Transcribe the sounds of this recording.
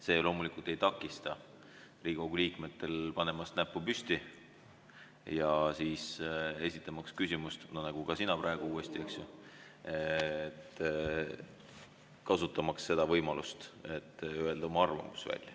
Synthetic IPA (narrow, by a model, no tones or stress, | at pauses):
se̞ːlo̞ːmulikult̪e̞jt̪ɑkːˑist̪ɑ | riːɡ̥oɡ̥uliːkme̞t̪ːe̞lpɑne̞mɑsnæpːupyst̪i | jɑsiːse̞sʲit̪ːˑɑmɑkskysimust̪nonɑɡ̥uɡ̥ɑsinɑpɾɑeɡ̥uuːe̞st̪ie̞ksju | et̪ːˑ | kɑsut̪ːˑɑmɑksːe̞d̪̥ɑvɤjmɑlust̪e̞t̪ːˑye̞ld̪̥ɑomɑɑrvɑ̰musvæ̰lʲːjɑ̰